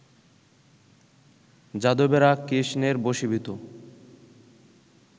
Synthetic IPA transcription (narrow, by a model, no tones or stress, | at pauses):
d͡ʑad̪obeɾakiʃneɾboʃibʱit̪o